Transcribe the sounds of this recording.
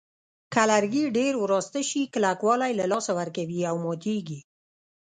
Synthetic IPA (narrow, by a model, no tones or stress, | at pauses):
kalaɾɡiɖeɾwɾɑst̪aʃiklakwɑlajlalɑsawaɾkawiawmɑt̪eɡi